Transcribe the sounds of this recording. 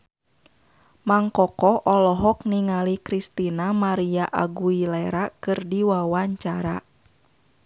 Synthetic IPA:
maŋkɔkɔʔɔlɔɦɔk̚niŋalikɾist̪inamaɾiaʔa̰ɡuilɛɛɾakɨrdiwawaɲt͡ʃaɾa

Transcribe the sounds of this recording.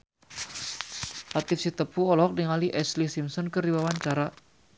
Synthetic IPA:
ʔat̪ifsit̪əpuɔlɔk̚dəŋaliʔɛslisimsɔnkərdibawaɲt͡ʃaɾa

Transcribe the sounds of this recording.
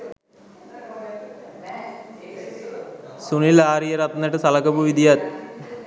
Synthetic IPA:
sunilaːɾijɐɾɐt̪ɐnːɐʈːɨsɐlɐkːɐpuʋid̪ijat̪

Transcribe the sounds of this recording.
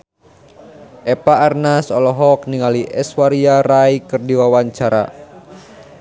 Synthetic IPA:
ʔɛpaːrnasɔlɔɦɔk̚niŋaliʔɛswaɾiaraikɨrdiwawaɲt͡ʃaɾa̰

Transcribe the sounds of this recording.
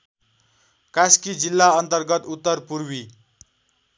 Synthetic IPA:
kaskid͡zilːaʌnt̪ʌrɡʌt̪ut̪ːʌrpuɾwi

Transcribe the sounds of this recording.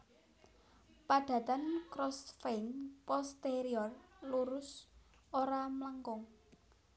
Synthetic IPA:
paɖ̥ä̤t̪ankɾɔsfejnpɔst̪eɾiɔrluɾʊs | oɾamlaŋkɔŋ

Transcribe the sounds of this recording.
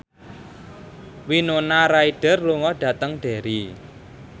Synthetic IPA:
winonaɾaiɖ̥ə̤rluŋɔɖ̥a̤t̪əŋɖ̥e̤ɾi

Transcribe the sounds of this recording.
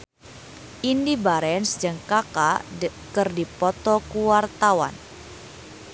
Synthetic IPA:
ʔindibaɾɛnsd͡ʒaŋkakakɨrdipɔt̪ɔkuwart̪awa̰n

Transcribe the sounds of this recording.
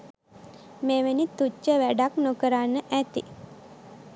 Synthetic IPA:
meːʋenit̪ut͡ʃːəʋæɖaknokəɾanːəʔæt̪ḭ

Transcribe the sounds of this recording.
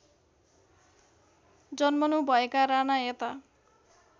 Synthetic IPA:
d͡zʌnmʌnubʱʌekaɾanaet̪a

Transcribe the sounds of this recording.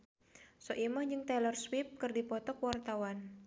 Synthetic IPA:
sɔʔimahd͡ʒɨŋt̪ɛlɔrswip̚kɨrdipɔt̪ɔkwart̪awan

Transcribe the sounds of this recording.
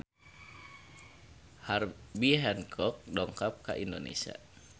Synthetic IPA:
harbiɦɛnkʰɔk̚dɔŋkap̚ka̰ʔindonḛsia̰

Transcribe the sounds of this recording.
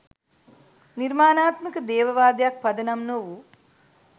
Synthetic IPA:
niɾmaːnaːt̪mikɐd̪ɛːʋɐʋaːd̪jaːk̚pɐd̪ɐnɐmnoʋu

